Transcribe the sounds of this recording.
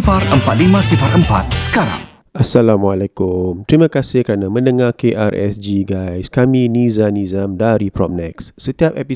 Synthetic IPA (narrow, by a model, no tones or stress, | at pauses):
faɾəmpat̪̚limãsifaɾʔəmpa̰t̪̚sə̥kaɾa̰ŋ | ʔasalamwalɛkʊmt̪ɾimãkasɪhkəɾanãmə̃nə̃ŋakeʔa̰rʔɛ̰sd͡ʒiɡajskamĩnizanizamdaɾipɾɔp̚nɛksːət̪iap̚ɛpi